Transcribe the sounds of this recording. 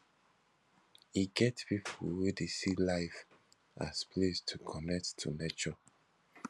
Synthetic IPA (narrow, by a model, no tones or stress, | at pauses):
iɡɛtpipʰulwedesilaɪf | ʔa̰spʰlestʰukʰɔnɛk̚ttʰːṵnet͡ʃɔ